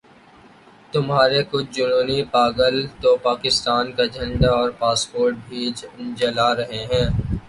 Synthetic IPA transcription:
t̪ʊmɦaːɾekʊt͡ʃʰd͡ʒʊnoːnipaːɡəlt̪opaːkɪst̪aːnkad͡ʒʱɐ̃ɳɖaɔːɾpaːspoːɾʈ̚bʱiːd͡ʒd͡ʒɐlaɾɐɦeɦɛ̃ː

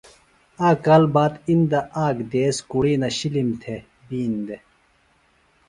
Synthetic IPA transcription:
aːkalbaːd̪ind̪ɐaːɡd̪eːskuɽiːnɐɕilimt̪ʰe | biːnd̪e

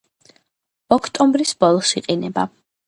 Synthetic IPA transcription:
ɔkʰt̪ʼɔmbɾisbɔlˠɔsiqʼinɛba̰

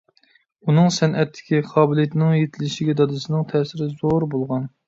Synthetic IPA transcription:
unɨŋsɛnʔɛt̪ʰːɪ̥kʲiqʰɑːbɪlˠjet̪ʰnɪŋjet̪ʰɪlɪʃɪɡʲɛd̪ɑd̪ɨsɨnɨŋt̪ʰɛsɪɾɪzoɾbolˠʁɑn

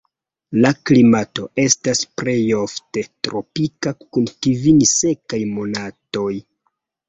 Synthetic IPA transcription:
laklimato̞e̞staspɾe̞jo̞fte̞tɾo̞pikakunkivinse̞kajmo̞nato̞j

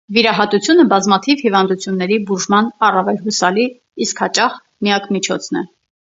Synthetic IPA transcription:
viɾɑɦɑt̪ut͡sʰjunəbɑzmɑt̪ʰivhivɑnd̪ut͡sʰjunːɛɾibuʒmɑnɑrɑvɛlɦusɑliː | skhɑt͡ʃɑχ | mijɑkmit͡ʃʰɔ̰t͡sʰn̪ɛ̰

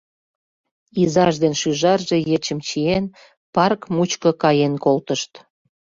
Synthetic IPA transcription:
izɑʒd̪enʃyʒɑrʒe̽jet͡ɕəmt͡ɕien | pɑrkmut͡ɕkə̆kɑjenkolt̪əʃt̪

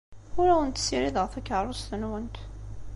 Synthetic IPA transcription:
ʊɾæwənt̪siɾiðʁθækːʕɾˤʊst̪ənwənt̪

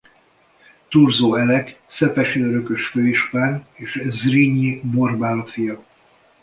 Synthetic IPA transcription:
t̪urzoːɛlɛksɛpɛʃiøɾøkø̞ʃføːiʃpaːneːʃzriɲiborbaːlɒfijɒ

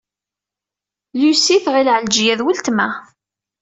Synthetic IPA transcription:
lusiθʁilʕəld͡ʒjæðwəlt̪mæ

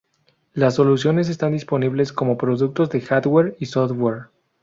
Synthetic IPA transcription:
las̬ːo̞lusjo̞ne̞s̬e̞st̪and̪ispo̞niβle̞sko̞mo̞pɾo̞ðuk̚t̪ozðe̞xaðweɾisoðweɾ

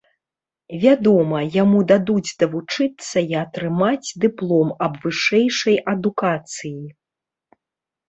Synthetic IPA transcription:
vʲad̪ɔmɐjamud̪ad̪ud͡zʲd̪ɐvut͡ʂɨt̪sːɐiɐt̪ɾɨmad͡zʲd̪ɨplˠɔmɐbvɨʂɛjʂɐjʔɐd̪ukat̪sɨji

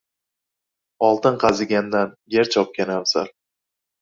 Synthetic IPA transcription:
ɒlˠt̪ɨɴqʰɑzɪɡʲand̪anjeɾt͡ʃʰɒp̚kʲanamza̰ɾ

